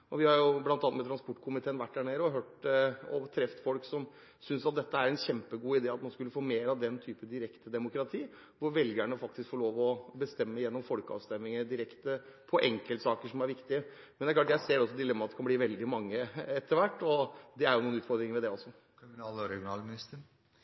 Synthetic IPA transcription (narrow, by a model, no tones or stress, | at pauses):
ɔʋɪhɑɾjʊblɑnt̪ɑnt̪mɛt̪ʰɾɑnspɔʈːkʰʊmɪt̪ʰeːnʋæʈːhæɳeːɾəɔɦøːʈɔt̪ʰɾɛft̪fɔlksɔm | sʏnsɑt̪̚d̪ɛt̪ːəæɾɛnçɛmpəɡuːɪd̪eːɑt̪mɑnskʉlːəfoːmeːɾɑʋd̪ɛnt̪ʰyːpəd̪ɪɾɛkt̪əd̪ɛmʊkɾɑt̪ʰiː | ʋʊɾʋɛlɡəæɳəfɑk̚t̪ɪskfɔɭoːʋɔbəst̪ɛmːəjɛnːɔmfɔlkəɑ̰ːʋst̪ɛmːɪŋəd̪ɪɾɛkt̪əpʰɔʔɛŋkəlt̪sɑːkəʂɔmæɾʋɪkt̪ɪə | mɛnæɾklɑːʈjæɪseːɾɛɔsːɔd̪ɪlɛmːɑt̪d̪ɛkʰɑnbliːʋɛld̪ɪmɑŋːəɛt̪ʰːəɾʋæʈːɔd̪ɛæɾjʊnuːənʉːt̪fɔɾd̪ɾɪŋəɾmɛd̪ɛɔsːɔ | kmnɑːlɔɾɛɡɪʊnɑːlmɪnɪst̪ə